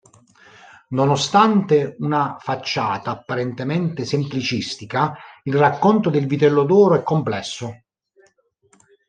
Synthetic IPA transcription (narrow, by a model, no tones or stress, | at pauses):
nonost̪ant̪eunafat͡ʃːaːt̪aːpːaɾɛnt̪emɛnt̪esemplit͡ʃist̪ikailrakːɔnt̪od̪elvit̪ɛlːod̪ɔːɾoɛkːomplɛsːo